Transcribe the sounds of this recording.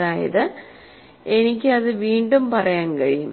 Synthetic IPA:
aːjɐ̰ðɨ | enikʲːɨɐðɨʋiːɳɖumpɐrɐjaːnkɐɻijum

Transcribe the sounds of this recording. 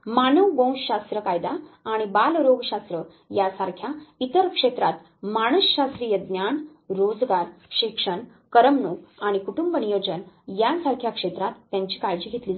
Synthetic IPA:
manəʋɡõw̃ɕɕast̪ɾəkajd̪aːɽ̃ibalɾoɡɕast̪ɾə | jasaɾkʰjait̪əɾkʂet̪ɾat̪ | maɳəsɕast̪ɾiːjəd̪njaɳ | ɾod͡zɡaɾɕikʂəɳ | kəɾəmnukaɽ̃ikuʈumbənijod͡ʑənjasaɾkʰjakʂet̪ɾat̪ːjaɲt͡ɕiːkaɾd͡ʑiːɡʱet̪liː

